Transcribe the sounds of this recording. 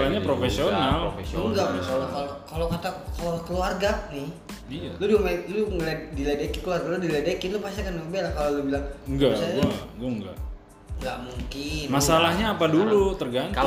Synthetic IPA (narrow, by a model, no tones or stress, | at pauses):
laɲapɾofesionalŋɡakalokalokalokat̪akalokəluarɡanɪh | lʊdimeluŋlediledekikəluarɡalʊdiledekɪnlʊpasakankəmbelahkalolubilaŋŋɡaasaɡuaɡuaŋɡa̰ʔ | ŋɡaʔmuŋkɪnmasalahɲaːpadulut̪ərɡan